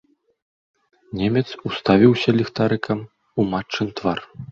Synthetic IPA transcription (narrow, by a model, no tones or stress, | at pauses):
nʲemʲɛt̪sust̪avʲiwsʲɐlʲixt̪aɾɨkɐm | umat͡ʂːɨnt̪var